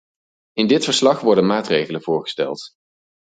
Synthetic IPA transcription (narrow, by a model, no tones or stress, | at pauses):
ɪndɪtfəɹslɑχʋɔɹdənmaːtrejχələnv̥ʊːɹχə̥stɛ̰lˠt